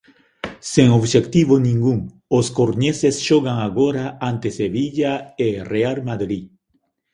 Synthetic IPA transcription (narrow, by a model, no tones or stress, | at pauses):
seŋoβʃekt̪iβonĩŋɡuŋ | oskoɾɲesesʃoɣaŋaɣoɾaant̪eseβiʎaerealmaðɾi